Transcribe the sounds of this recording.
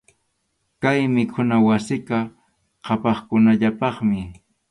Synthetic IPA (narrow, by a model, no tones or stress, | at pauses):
kajmɪkʰʊnawasɪka | qʰɑpɑχkʊnaʎapɑχmɪ